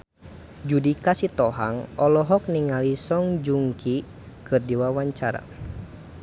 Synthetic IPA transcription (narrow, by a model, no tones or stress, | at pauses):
d͡ʒudikasit̪ɔɦaŋɔlɔɦɔk̚niŋalisɔŋd͡ʒuŋkʰi | kɨrdiwawaɲt͡ʃaɾa̰